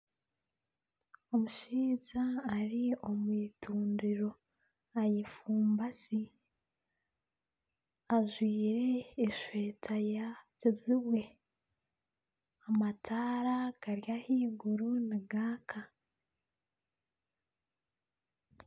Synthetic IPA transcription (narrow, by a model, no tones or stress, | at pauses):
o̞muʃiːzaːɾio̞mwiːtuːndiɾo̞ | ajifuːmbasi | aʒwiːɾe̞ːʃwe̞ːtʰajacoziβwe̞ | amatʰaːɾakaɾjahiːɡuɾuniɡaːkʰa